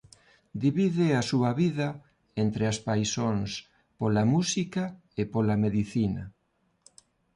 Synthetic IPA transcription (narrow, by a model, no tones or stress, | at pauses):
d̪iβiðɪasuɐβiðɐ | ent̪ɾeaspajsoŋs | polamusikɐ | epolameðiθinɐ̰